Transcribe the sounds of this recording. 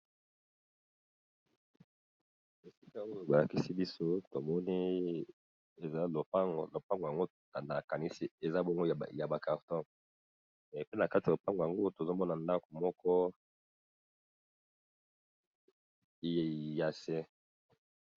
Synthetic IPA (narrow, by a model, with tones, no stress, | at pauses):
e˨si˦ka˦o˦jo˨ba˨la˨ki˦si˦bi˦so˦to˨mɔ˦ni˦ | e˨za˦lo˨pa˦ŋɡlo˨pa˦ŋɡo˨ja˨ŋɡo˦ | a˨na˨ka˨ni˦si˦e˨za˦bo˦ŋɡo˦˨ja˨ba˨ka˨ʁtɔ̃˦˨ | pe˦na˨ka˦ti˨o˨pa˦ŋɡo˨ja˨ŋɡo˦to˨zo˦mɔ˦na˨nda˦ko˨mɔ˦kʰɔ˦˨ | ja˨se˦